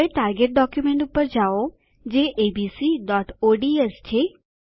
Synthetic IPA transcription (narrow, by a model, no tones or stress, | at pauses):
eʈaɾɡeʈ̚ɖɔkjumẽɳʈupːəɾd͡ʒao | d͡ʒeʔebisiɖɔʈoɖiest͡ʃʰe